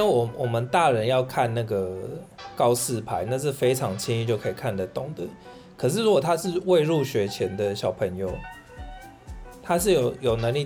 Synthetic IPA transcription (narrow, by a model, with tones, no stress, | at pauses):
wwʔɔ˨˩mə˨nt̪a˥˩˨ɻə˨˦njɑ˥˧ʊkʰa˥˧nna˥˩ɡə˩kɑ˦ʊsɹ̩˥˩˨pʰa˧˦ɪna˥˧ʂ̬ɻ̩˥˩fe˥ɪʈ͡ʂʰɑ˧˦ŋt͡ɕʰi˥ni˥˧t͡ɕjo˥˩ʊkʰə˧˥i˨˩kʰa˥˩nd̪a˨˧t̪o˥˩ŋd̪ə˦ | kʰə˨˩ʂ̬ɻ̩˥˨ɻu˦˥kwo˨˩t̪ʰa˦˥ʂɻ̩˥˧we˥˧ɪɻu˥˩ɕɥɛ˧˥t͡ɕʰjɛ˦nd̪ə˨ɕjɑ˨˩ʊpʰə˧˦ŋjo˧ʊ | t̪ʰa˦ʂ̬ɻ̩˥˩jo˨˩ʊjo˨˩ʊnə˧˥ŋli˥˨